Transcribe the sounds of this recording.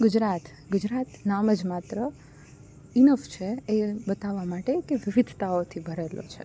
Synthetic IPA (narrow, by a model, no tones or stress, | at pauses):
ɡud͡ʒɾat̪ | ɡud͡ʒɾat̪naməd͡ʒmat̪ɾə | inəft͡ʃʰeebət̪aʋːamaʈekeʋɪʋid̪ʱt̪aot̪ʰibʱəɾelo̰t͡ʃʰe